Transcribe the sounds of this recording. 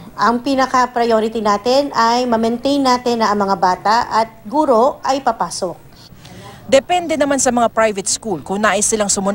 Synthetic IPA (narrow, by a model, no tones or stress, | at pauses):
ʔɐŋpinɐkɐpɾɐjoːɾɪt̪inaːt̪ɪnɐjmɐmɛnt̪ejnːaːt̪ɪnɐʔɐŋmɐŋabaːt̪ɐʔɐt̪̚ɡuːɾo̞ʔɐjpɐpaːsok̚ | d̪ɛpɛnd̪ɛnɐmansɐmɐŋapɹajvɛt̪̚skulkʊŋnaːʔɪsɪlaŋsʊmʊ